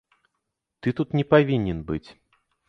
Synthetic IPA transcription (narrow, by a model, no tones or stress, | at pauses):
t̪ɨt̪ut̪nʲɛpavʲinʲɛnbɨt͡sʲ